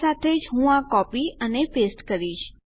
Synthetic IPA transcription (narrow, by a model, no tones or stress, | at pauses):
at̪ʰed͡ʒɦũakɔpiənepesʈkəɾiʃ